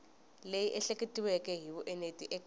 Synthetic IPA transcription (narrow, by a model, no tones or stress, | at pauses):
lejiʔɛɬekʼetʼiwɛkɛɦiβuʔɛnetʼiʔɛkʼ